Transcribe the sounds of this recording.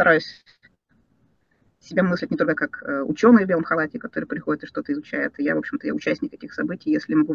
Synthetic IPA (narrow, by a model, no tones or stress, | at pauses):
t̪ɐɾajʊsʲ | sʲɪbʲemɨslʲɪtʲnʲɪt̪olʲkəkakəʊ̰t͡ɕo̞nːɨjəvbelˠəmxɐlˠatʲɪkɐt̪o̞ɾɨjpɾʲɪxo̞dʲɪt̪ɨʂt̪o̞t̪əɪzʊt͡ɕæɪt̪ɨja̰vo̞pɕːɪmt̪əja̰ʊt͡ɕæsʲnʲɪk̪ːetʲɪxsɐbɨtʲɪjjesʲlʲɪmɐɡu